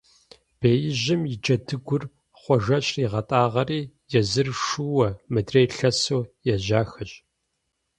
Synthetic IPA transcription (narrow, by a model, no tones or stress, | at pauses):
b̥eːjɪʑɪmjɪd͡ʒɐdʰɨɡʷʊr | χʷɔʒɐɕʼriːʁɐtʼaːʁɐriː | jɛzɨrʂuwɐmɨdreːɬɐsoːjɛʒaːxɐɕʼ